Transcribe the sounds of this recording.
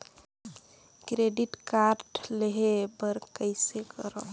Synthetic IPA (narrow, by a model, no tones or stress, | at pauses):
kɾeɖiʈkaɾʈleɦebəɾkəɪsekəɾə̰